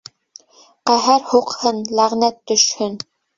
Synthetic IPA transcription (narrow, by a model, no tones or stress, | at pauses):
qæɦæɾhuqhɤnlæʁnæt̪ːɵ̆ʃhɵn